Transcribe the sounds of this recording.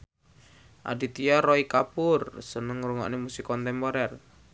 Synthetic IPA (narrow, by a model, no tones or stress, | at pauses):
ʔa̰dit̪iarɔikapʊrsənəŋɾuŋɔ̰ʔnemusikɔnt̪ɛmpɔɾɛr